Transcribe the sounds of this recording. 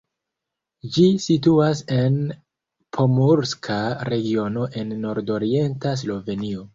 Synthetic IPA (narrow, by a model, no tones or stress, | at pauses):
d͡ʒisituase̞n | pʰo̞muɾskʰaɾe̞ɡio̞no̞ʔe̞nːo̞ɾdo̞ɾie̞ntas̬lo̞ve̞nio̞